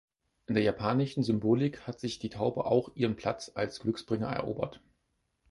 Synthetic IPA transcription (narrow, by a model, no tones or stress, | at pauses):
ʔɪndeːɐjapʰaːnɪʃn̩zʏmboːlɪkhatz̥ɪçd̥iːtʰaʊbəʔa̰ʊxʔiːʁənpʰl̥a̰t͡salsɡ̥lʏksb̥ʁɪŋɐ̰ɛ̰ɐʔo̰ːbɐ̰t